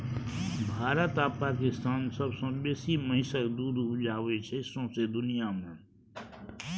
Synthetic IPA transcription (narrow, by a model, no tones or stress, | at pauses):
bʱaːɾət̪apakist̪aːnsəbsə̃beːsiməɦɪsəkd̪ud̪ʱud͡ʒaːʋet͡ʃʰɛɪsõsed̪ʊnijaməɳ